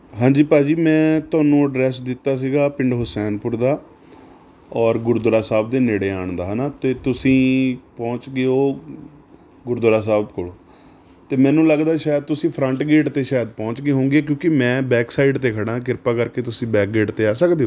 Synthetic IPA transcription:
ɦãːɲd͡ʒiːpaːd͡ʒiːmɛ̃ːt̪ʊaːnũːɖɾɛːsd̪ɪt̪ːaːs̬iːɡaːpɪɳɖɦʊsɛːnpʊɾd̪aː | ɔːɾɡʊɾd̪ʊɾaːsaːb̚d̪eːneːɽeːaːɳd̪aːɦnaːt̪eːt̪ʊsĩːpɔ̃ːt͡ʃɡeoː | ɡʊɾd̪ʊɾaːsaːbkoːlː | t̪eːmɛ̃ːnũːləɡd̪aːʃaːjd̪̚t̪ʊsĩːpʰɾəɳʈɡeːʈt̪eːʃaːjəd̪pɔ̃ːt͡ʃɡeːɦõːŋɡeːk̬jõːkɪmɛ̃ːbɛːksaːɪɖt̪eːkʰəɽãːk̬ɪɾpaːkəɾkeːt̪ʊsĩːbɛːk̚ɡeːʈt̪eːaːsəkd̪eːɦoː

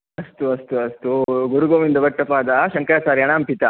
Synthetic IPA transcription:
ɐst̪uɐst̪uɐst̪uɡuɾuɡoːʋind̪ɐʋɐʈːɐpaːd̪ɐʃɐŋkɐɾaːsaːɾjɐɳaːmpit̪ɐ

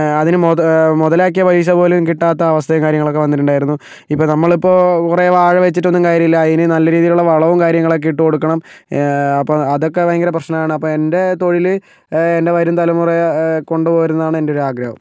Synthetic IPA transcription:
ɐðinɨmomuðɐlaːk̬ːijɐʋɐjiɕ̬ɐpo̞ːlukiʈːaːt̪ːɐɐʋɐst̪ʰɐjɐkaːɾjɐŋɐɭo̞kːe̞ʋɐnːiʈ̬ːuɳɖaːjiɾunːu | ipːoːnɐmːɐɭipːo̞ːkureʋaːɻɐʋet͡ɕːiʈ̬ːo̞nːumkaːɾjɐmilːɐːðinɨnɐlːɐɾiːðijiluɭːɐʋɐɭɐʋumkaːɾjɐŋːɐɭok̬ːeiʈːɨko̞ɽukːɐɳɐm | ɐpːoɐðo̞kːeʋɐjŋɡɐɾɐprɐɕnɐmaːɳɨɐpːoːe̞nde̞t̪o̞ɻilɨ | ende̞ʋɐɾumt̪ɐlɐmureko̞ɳɖɨpo̞ːjiɾunːɐðaːɳɨe̞ndeoɾuaːɡɾɐhɐ̰m

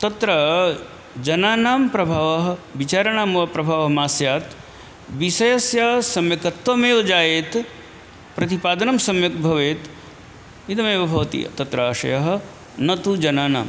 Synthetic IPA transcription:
t̪ɐt̪ɾɐ | d͡ʒɐnaːnaːmpɾɐbʱaːʋɐɦɐ̆ʋit͡ʃaːɾɐɳaːmɐʋɐpɾɐbʱaːʋɐɦɐmaːsjaːt̪ | ʋisɐjɐsjaːsɐmjɐkɐt̪ʋɐmeːʋɐd͡ʒaːjeːt̪ | pɾɐt̪ipaːd̪ɐnɐmsɐmjɐk̚bʱɐʋeːt̪ | id̪ɐmeːʋɐbʱɐʋɐt̪ḭjɐ̰t̪ɐt̪ɾɐaːʂɐ̰jɐɦɐ̆ | nɐt̪ud͡ʒɐnaːna̰ːm

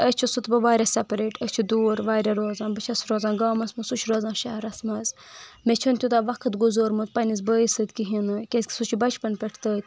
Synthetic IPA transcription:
əst͡ʃʰusut̪bɐʋaːɾʲɐsɐpɾeːʈət͡ʃʰud̪uːɾʋaːɾʲɐɾoːzãːnbɐt͡ʃʰɐsɾoːzaːnɡaːmɐsmɐsut͡ʃʰɾoːzãːnʃɐɦɾɐsmɐzmet͡ʃʰɐnt̪ʲut̪aʋɐkʰɨt̪ɡuzoːɾmɐzpɐnizbəːisɨd̪kʲiɦinɨkʲeskʲi̥sut͡ʃʰibɐt͡ʃʰpɐnpʲɛʈʰt̪əːt̪ʲ

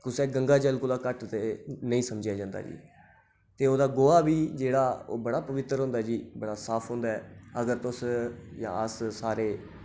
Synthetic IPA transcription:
k̪ʊsɛːɡəŋɡaːd͡ʒəlkʊlaːkəʈt̪eːnəĩːsəmd͡ʒjaːd͡ʒãːnd̪a̰ːd͡ʒḭː | t̪eːoːd̪aːɡoːaːbiːd͡ʒeːɽaːo̰ːbəɽaːpəʋɪt̪ːəɾɦõnd̪aːd͡ʒiːbəɽaːsaːpʰɦõːnd̪aːɦɛːəɡəɾt̪ʊsjã̰ːəssaːɾeː

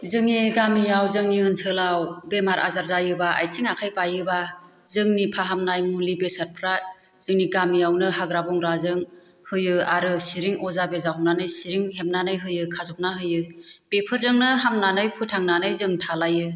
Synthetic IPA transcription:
zɯŋiɡamijawzɯŋiɯnsʰɯlawbemaɾʔa̰zaɾzajɯbaa̰jtʰiŋakʰajpajɯba | zɯŋnipʰaɦamnajmulibesaɾ̚pʰɾat̚ | z̥ɯŋniɡamijawnɯɦaɡɾabɔŋɾazɯŋ | hɯjɯaɾɯsiɾiŋɔzabezaɦɔmnanɯjsiɾiŋɦemnanɯjɦɯjɯkʰazɔp̚naɦɯjɯb̥epʰɯɾzɯŋnɯɦamnanɯjpʰutʰaŋnanɯjzɯŋtʰalajɯ

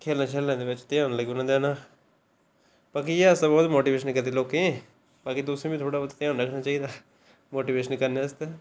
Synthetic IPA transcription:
kʰeːlnaːt͡ʃʰəːlɛ̃ːd̪eːʋɪt͡ʃt̪ẽãːnːləɡʊnãd̪ɛːnaː | b̥aːkijeːəsabɔːt̪moːʈiːʋeːʃənkəɾd̪eːloːkẽ | baːkid̪ʊsɾẽːbiːt̪ʰoːɽaːbot̪t̪ejãːnɾəkʰnaːt͡ʃaːiːd̪aː | moːʈiːʋeːʃənkəɾnẽːəst̪eː

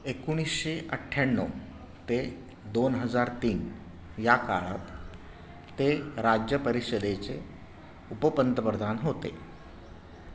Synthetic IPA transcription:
ekuɽ̃isɕeʔəʈʰːjaɳːɔ̰ | t̪e | d̪onɦəd͡zaɾt̪iːn | jaka̰ɭə̰t̪ː | eɾad͡ʑjəpəɾiɕəd̪et͡se | upəpənt̪əpəɾd̪ʱanɦot̪ḛ

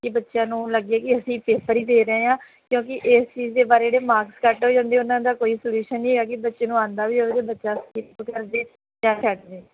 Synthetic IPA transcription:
kɪbətːʃjãːnũːləɡaːkɪəsĩːpeːpʰəɾiːd̪eːɾəẽːãː | kjõːkɪʔeːst͡ʃiːzd̪eːbaːɾeːeːɽeːmaːɾkskəʈɦoːd͡ʒãːnd̪eːʊnãːd̪aːkoːiːsəljuːʃənːĩːeːaːkɪbətːʃeːnũːãːnd̪aːʋiːoːed̪eːbətːʃaːskiɾpkəɾd̪eː | d͡ʒãːt͡ʃʰɛːʈd̪eː

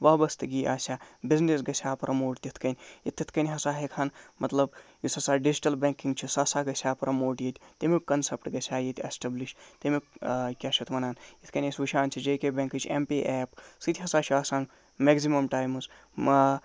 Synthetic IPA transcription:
ʋɐbɐst̪ɨɡiːaːsʲaːbiznesɡɐsʰʲaːpɾʔɐmoːʈt̪ʲit̪ʰkɐnʲit̪ʰːit̪ʰkɐnʲɦɐsaːɦekʰaːnmɐt̪lɐbjisɐsaːɖid͡ʒiʈɐlbẽŋkiŋɡt͡ʃʰisɐsaːɡɐsʰʲaːpɾʔɐmoːʈjit̪ʰʲt̪imikɐnsepʈɡɐsʰʲaːjit̪ʰʲḛsʈebliʃt̪ɐmikʲaʃʰɐt̪ʰmɐnaːnjit̪ʰkɐnʲɐsʲʋuʃʰaːnt͡ʃʰid͡ʒeːkʲeːbʲeŋkɨt͡ʃʰḛmpiːʔeːpsɨt̪ʰʲɦɐsaːt͡ʃʰaːsaːŋɡ | meːɡzimɐmʈaːjmɨs

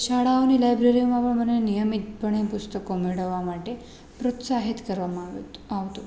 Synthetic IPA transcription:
ʃaɽaʋnilajbɾeɾimaʋɐɭmɐnːenijɐmit̪̚pɐɳepust̪ɐkomiɽɐʋamaʈːe | pɾot̪saɦit̪kɐɾʋamaʋaʋt̪u

